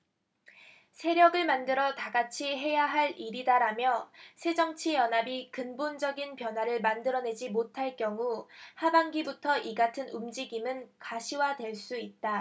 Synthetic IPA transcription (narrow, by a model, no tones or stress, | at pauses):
sʰe̞ɾjʌɡɯɭmandɯɾʌtaɡat͡ɕʰiɦe̞jaɦaɭiɾidaɾamjʌsʰe̞d͡ʑʌŋt͡ɕʰijʌnɦabikɯnbond͡ʑʌɡinpjʌnɦwaɾɯɭmandɯɾʌne̞d͡ʑimotʰaɭk͈jʌŋuhabaŋɡibutʰʌʔiɡatʰɯnumd͡ʑiɡimɯnkaɕʰiwadwe̞ɭs͈uit̚t͈a